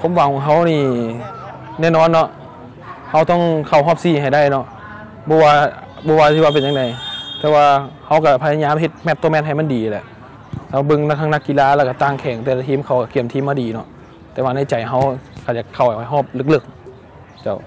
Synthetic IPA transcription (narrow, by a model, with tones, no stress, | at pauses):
kʰo˧˦˨mwa˨˧˦ŋwaː˧˩ɦa˧˥˩wniː˧˩ | nɛː˧˨nɔː˧˨nːɔ˧˥ʔ | ha˧˩wt̪ɔ˧˩˨ŋkʰa˨˩wɦɔː˥˩p̚siː˧˩˨ɦa˨˩jda˧˥˩jnɔ˧ʔ | bɔː˧˦waː˧ | bɔː˧˦waː˧t̪ʰi˧waː˧pe˨nɲa˧ŋda˨˦jt̪ɛː˧waː˧ha˧˩wka˧˩pʰa˧a˧ɲaː˧˥˨mɦe˧t̪̚mɛ˧t̪ːo˧˨mɛ˧˥t̚ɦa˨˩jm˧˥˨diː˨˦˨lɛ˧ʔ̪ | ɛː˧˩˧bɤ˧ŋna˧t̪ʰaː˧na˧˥kːi˧laː˧˨lɛː˧wka˧˩t̪aː˧˩ŋkʰɛː˨˩˦ŋt̪ɛː˧˩la˧t̪ʰiː˧˥˨mkʰa˧˩wka˧˩ki˧˩əmt̪ʰiː˧˨mːaː˧˨diː˨˦nɔ˧ʔ | t̪ɛː˧waː˧na˧˥˨jt͡ɕa˨˩˦jɦa˧˥˨wkʰa˧˩t͡ɕaː˨˩kʰːa˨˩wha˨˩ha˨˩jɦɔː˧˩p̚lɤ˧˩k̚lɤ˧˩k̚ | t͡ɕa˧˩w